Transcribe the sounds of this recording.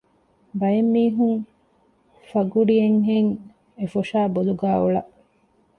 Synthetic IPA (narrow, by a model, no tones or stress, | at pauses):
bɐjemːiːɦuŋ | fɐɡuɽijeŋɦeŋ | efoʃaːboluɡæːuɭɐʔ